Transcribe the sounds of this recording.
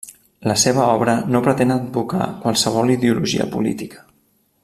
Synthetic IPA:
ləseβ̞əɔβɾənopɾət̪enəd̪̚buka̰kwalˠsəβ̞ɔliðeuluʒḭə̰pulḭt̪ikə̥

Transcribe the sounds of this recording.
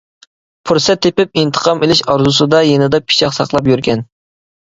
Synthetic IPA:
pʰuɾsɛt̪ʰːepɪp̚int̪ʰə̥qʰɑmelɪʃɑɾzusɨd̪ɑjenɪd̪ɑpʰi̥t͡ʃɑqsɑqlˠɑp̬jyɾkʲɛn

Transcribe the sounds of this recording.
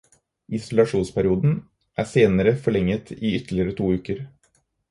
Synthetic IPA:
ɪsʊlɑʂuːnspæɾɪuːd̪n̩ | ʔæːseːnəɾəfɔɭɛŋːət̪ʰiːʏt̪ɭɪəɾət̪ʰuːʉːkəɾ

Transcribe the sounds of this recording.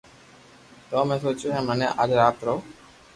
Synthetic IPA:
t̪oːmẽːsoːt͡ʃuɦɛ̃ːməneʔad͡ʒɾaːt̪ɾoː

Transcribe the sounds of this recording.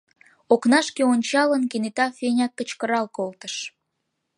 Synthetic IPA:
oknɑʃkeonʲt͡ɕɑlənkenet̪ɑfenʲɑkːət͡ɕkəɾɑlkolt̪əʃ

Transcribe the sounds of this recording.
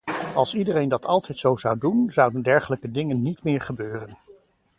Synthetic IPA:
ɑlˠsidərejndɑtʰɑlˠtʰɛjtsowzʌwdunzʌwdəndɛɹχələkədɪŋənːitmɪːɹχəbøːrən

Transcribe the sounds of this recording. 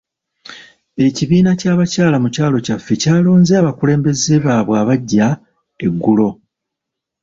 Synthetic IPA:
e̞ciβiːnacaːβacaːlamucaːlo̞cafːecaːlo̞ːnzeaβakule̞ːmbe̞zeβaːβwaːβaɟːa | e̞ɡːulo̞

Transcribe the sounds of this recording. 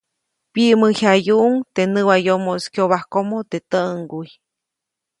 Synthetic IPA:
piʔməhajuʔuŋt̪enɨwajomoskjoβahkomot̪et̪əʔŋɡuj

